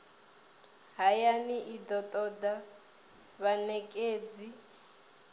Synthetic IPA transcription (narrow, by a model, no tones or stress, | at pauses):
ɦajaniʔid̪ɔt̪ʼɔd̪a | βanɛkʼeːd͡zi